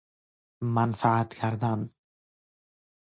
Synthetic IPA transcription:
manfaat̪kʲʰæɾd̪an

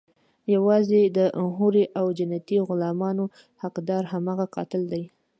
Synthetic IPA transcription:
jawɑzed̪əmɦuɾiʔawd͡ʒanat̪iɣʊlɑmɑno | haqd̪ɑɾɦamɑɣaqɑ̰t̪ɪld̪aj

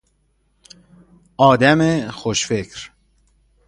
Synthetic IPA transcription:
ʔɒːd̪æmexoʃfekʰɾ

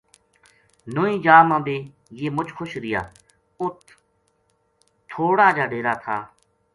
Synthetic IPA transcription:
noːĩːd͡ʒaːmãːd̪eː | jeːmʊt͡ʃxʰʊʃɾɪja̰ː | ʊt̪ʰ | oːɽaːd͡ʒaːɖeːɾaːt̪ʰaː

